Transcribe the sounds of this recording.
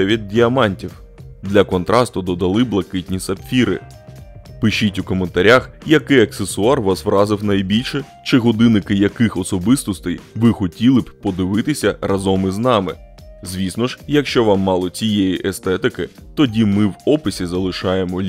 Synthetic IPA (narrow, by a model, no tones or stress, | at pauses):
ɛʋʲid̪̚dʲiɐmɑnʲtʲiw | d̪lʲɐkɔnt̪ɾɑst̪ʊd̪ɔd̪ɐlˠɪblˠɐkɪtʲnʲisɐpʲfʲiɾɪ̰ | pɪʃitʲʊkɔment̪ɐɾʲaxjɐkɪjɐksesʊɑrʋɑsʋrɑzɪwnɐjbʲilʲʃɛ | t͡ʃɪɦɔd̪ɪnɪkɪjɐkɪxɔsɔbɪst̪ɔst̪ɛjʋɪxɔtʲilˠɪbʲpɔd̪ɪʋɪt̪ɪsʲɐrɐzɔmɪznɑmɪ̰ | zʲʋʲisnɔʒjɐkʃt͡ʃɔʋɑmːɑlˠɔt͡sʲijejiʔest̪ɛt̪ɪkɪ | t̪ɔdʲimɪwɔpɪsʲizɐlˠɪʃɑjemɔ